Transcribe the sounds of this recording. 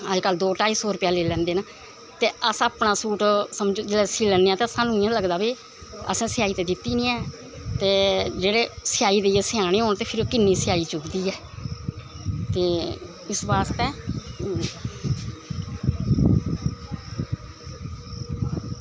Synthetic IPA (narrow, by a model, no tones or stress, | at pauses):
əd͡ʒkəld̪oːʈaːiːsoːɾʊpjaːleːlɛ̃ːnd̪eːnaː | t̪eːəsaːpnãːsuːʈsəmd͡ʒd͡ʒeːasiːlənːeːãːt̪esãːnũːɪãːləɡd̪aːbiː | ə̰sãːsɪjaːiːt̪eːd̪ɪt̪ːiːnĩɛ̃ː | t̪eːd͡ʒeːɽeːsɪjaːiːd̪eesɪjaːneːɦoːnt̪eːpʰɪɾoːkɪnːiːsɪjaːiːt͡ʃʊkd̪iːɛː | t̪eː | ɪsbaːst̪ɛː